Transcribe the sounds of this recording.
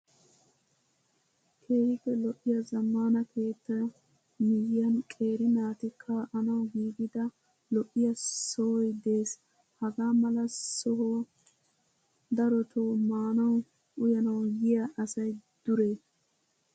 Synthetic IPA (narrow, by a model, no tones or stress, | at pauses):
kʰeːhɪkːɛlɔʔɪjɐzɐmːaːnɐkʰe̞ːt̪ːɐ | mɪjɪjɐnkʼe̞ːɾɪnaːt̪ɪkʰːaːʔɐnɐwɡiːɡɪd̪ɐ | lɔʔɪjɐsɔhɔjd̪e̞ːs | hɐɡaːmɐlɐsɔɦɔ | d̪ɐɾɔt̪ʰoːmaːnɐw | ʔʊjɐnɐwɡɪjɐʔɐsɐjd̪̥ʊɾeː